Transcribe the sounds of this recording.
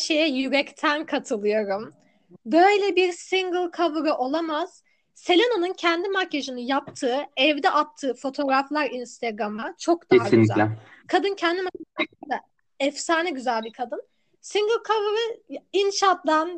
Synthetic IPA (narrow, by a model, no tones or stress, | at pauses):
ʃejɛjyɾɛct̪ʰænkʰat̪ʰɯlˠɯjoɾum | bø̞jlʲɛbiɾsiŋɡɯlˠkʰavɯɾɯʔo̞lˠamaz̥ | se̞lʲenanɯncʰɛnd̪imacʰeʒinɯjap̚t̪ʰɯːɛvd̪ɛʔap̚t̪ʰːɯːfo̞t̪ʰo̞ɾaflˠaɾinst̪ʰaɡɾamat͡ʃʰo̞k̚d̪aaɡyzæɛkʰad̪ɯncʰɛnd̪imaeand̪a | ɛfsaːnɛɟyzælʲbiɾkʰad̪ɯn | siŋɡɯlˠkʰavɾɯinʃat̪d̪an